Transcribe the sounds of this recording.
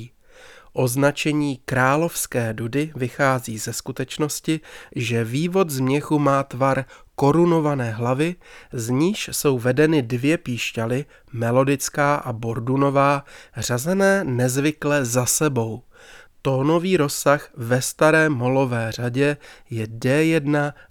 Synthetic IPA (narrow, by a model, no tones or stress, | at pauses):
ʔo̞znat͡ʃɛɲiːkɾaːlo̞fskɛːdudɪvɪxaːziːzɛskut̪ɛt͡ʃno̞scɪʒɛviːvo̞t̪zmɲɛxumaːt̪vaɾko̞ɾuno̞vanɛːɦlavɪzɲiːʃso̞wvɛdɛnɪdvjɛpiːʃcalɪ | mɛlo̞dɪt͡skaːʔabo̞ɾduno̞vaːr̝azɛnɛːnɛzvɪklɛzasɛbo̞w | t̪o̞ːno̞viːɾo̞sːaxvɛst̪aɾɛːmo̞lo̞vɛːr̝aɟɛjɛdɛjɛdna